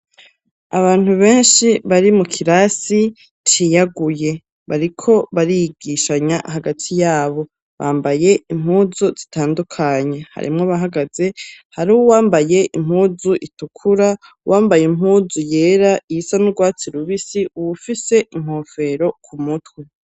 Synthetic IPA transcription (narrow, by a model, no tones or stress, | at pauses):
aβaːn̥huβe̞ːnʃiβaɾimukʰiɾasi | t͡ʃijaɡuje̞ | βaɾikʰo̞βaɾijiɡiʃaɲahaɡatʰijaːβo̞ | βaːmbaje̞im̥huːzuzitaːndukʰaɲe̞ha̰ɾḭmŋoβaɦaɡaz̥e̞haɾuːwwaːmbaje̞ʔim̥huːzuʔitukʰuɾa | wʔaːmbajem̥huːzuje̞ːɾaijisanuɡwaːt͡siɾuβisiuwufise̞ʔim̥ho̞ːfe̞ɾo̞kʰumutwe